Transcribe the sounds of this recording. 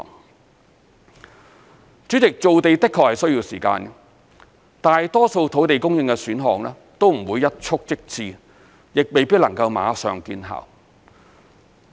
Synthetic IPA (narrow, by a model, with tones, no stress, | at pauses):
t͡sy˨˥t͡sɪ˨k̚t͡so˨wt̪e˨jt̪ɪ˥kʰːɔː˨˩hɐ˨jsɵ˥ɥjiː˧wsiː˨˩ka̰ː˧n | t̪aː˨jt̪ɔː˥so˧wt̪ʰo˨˥wt̪e˨jkʊ˥ŋjɪ˧ŋkɛ˧syː˨˥nɦɔː˨ŋlɛː˥ | t̪o˥wm̩˨˩wuː˨˧jːɐ˥t̚t͡ʃʰʊ˥k̚t͡sɪ˥k̚t͡siː˨˩ | jɪ˨k̚me˨jpiː˥t̚lɐ˨˩ŋkɐ˧wma̰ː˨˧˥sœ̰ː˨ŋkiː˧nɦa̰ː˨˩w